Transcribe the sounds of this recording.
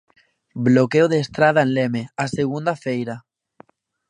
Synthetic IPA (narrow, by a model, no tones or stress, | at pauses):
blokeoðeːst̪ɾað̞aẽnlemeaseɣ̞und̪afejɾa